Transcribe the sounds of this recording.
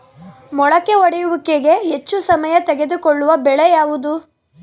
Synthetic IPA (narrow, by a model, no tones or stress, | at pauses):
mɔɭɐkːeɔɽɛjuʋukːeɡe̞ɦet͡ʃːusɐmɐjɐt̪eɡe̞d̪ukoɭːuʋɐbɛɭejaːʋud̪u